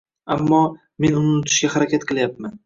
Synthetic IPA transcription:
amːɒ | me̞nʊnɪnʊt̪ʰʊ̥ʃɡʲahaɾakʲat̪qʰɨlˠjap̚man

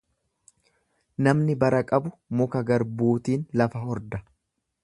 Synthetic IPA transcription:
nɐmnɪbɐɾɐkʼɐbʊmʊkɐɡɐɾbuːt̪iːnlɐfɐhɔɾd̪ɐ

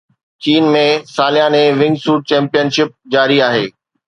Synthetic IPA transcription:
t͡ɕiːnmẽsaːlɪjãnẽʋɪ̃ŋɡsuːʈ̚t͡ɕɛ̃ːmpijənʃɪp̚d͡ʑaːɾiaːɦeː

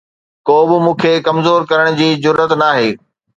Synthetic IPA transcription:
koːbɪmũːkʰekɐmzoːɾkɐɾəɽ̃d͡ʑiːzʊɾːət̪naːɦeː

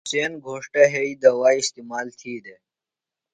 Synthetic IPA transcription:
seːnɡʱoːʂʈeɦeiːd̪ɐwaːist̪iːmaːlt̪ʰiːd̪e

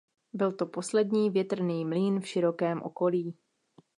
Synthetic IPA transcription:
bɪlt̪o̞po̞slɛdɲiːvjɛt̪r̩niːmliːnfʃɪɾo̞kɛːmʔo̰ko̞liː

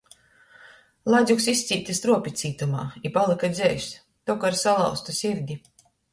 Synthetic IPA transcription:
lˠazʲuksisʲt̪sʲiːt̪ʲast̪ɾuɔpʲit̪siːt̪uma̰ːipalˠɨkad̪zʲɛjs | t̪ɔkaɾsalˠa̰wst̪usʲiɾʲd̪ʲi

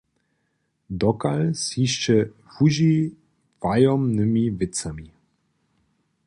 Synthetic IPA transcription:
d̪ɔkalsiʃt͡ʃɛ | fuʒi | vajɔmnɨmivɪt͡sami

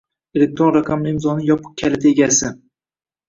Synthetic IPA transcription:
elek̚t̪ɾonɾaqʰamlɪmzɒnɪjɒpʰɨ̥q̚kʲʰalɪt̪ʰeɡʲasɪ

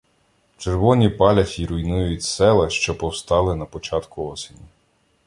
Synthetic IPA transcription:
t͡ʃerʋɔnʲipɑlʲɐfʲiɾʊjnujʊtʲsɛlˠɐʃt͡ʃɔpɔwst̪ɑlˠɪnɐpɔt͡ʃɑt̪kʊɔsʲenʲi

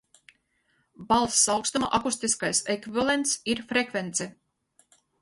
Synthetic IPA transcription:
balˠsːawkst̪uma̰ʔakust̪iskajsekvivalˠent̪siɾfɾekvent̪sɛ

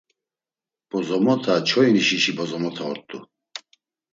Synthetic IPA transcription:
b̥ɔzɔmɔt̪ʰat͡ʃʰɔiniʃiʃibɔzɔmɔt̪ʰaɔ̰ɾt̪ʼu

